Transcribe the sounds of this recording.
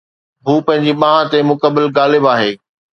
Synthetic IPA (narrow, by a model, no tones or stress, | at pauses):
ɦuːpɐ̃ɦɪ̃ɲd͡ʑiɓãɦãt̪emʊkəbɪlɡaːlɪbaːɦeː